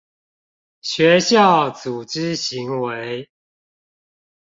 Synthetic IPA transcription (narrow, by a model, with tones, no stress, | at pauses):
ɕɥɛ˨˦ɕjɑ˥˨ʊt͡su˨˩ʈ͡ʂɻ̩˦ɕi˧˦ŋwe˦ɪ